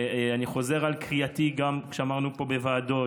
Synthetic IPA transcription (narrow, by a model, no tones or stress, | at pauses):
aniχo̞ze̞ʁalkʁiat̪iɡamkʃeamaʁnupo̞bevaːd̪o̞